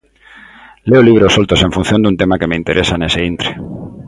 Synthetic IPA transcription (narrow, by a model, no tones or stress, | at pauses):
le̞oliβ̞ɾeosolt̪o̞se̞ɱfun̟θjo̞nd̪unt̪emake̞meint̪e̞ɾʔe̞sane̞seint̪ɾe